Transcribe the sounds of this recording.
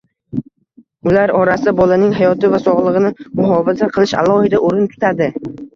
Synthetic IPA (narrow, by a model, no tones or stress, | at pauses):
ʊlaɾɒɾasɪd̪abɒlanɪŋɦajɒt̪ɪvasɒʁlˠɨʁɨnɪmʊɦɒvazaqʰɨlˠɪʃa̰lˠɒhɪd̪aʔoɾɪnt̪ʰʊ̥t̪ʰad̪ɪ